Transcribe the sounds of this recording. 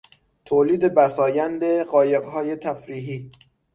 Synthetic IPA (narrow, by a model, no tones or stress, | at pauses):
t̪ʰoːliːd̪ebæsɒːjænd̪eɢɒːje̞ɣɦɒːje̞t̪ʰæfɾiːɦiː